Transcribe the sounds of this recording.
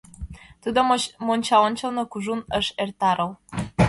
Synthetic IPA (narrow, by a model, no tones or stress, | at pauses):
t̪ud̪omonʲt͡ɕɑonʲt͡ɕɤlnɤ̆kuʒunəʃert̪ɑɾɤw